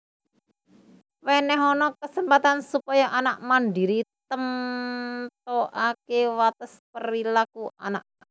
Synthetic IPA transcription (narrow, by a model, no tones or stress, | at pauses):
wɛnɛɦɔnɔkəsəmpat̪ansupajaʔanaʔmandiɾit̪əm | t̪̚ɔʔakewat̪əspəɾilakuʔa̰naʔ̚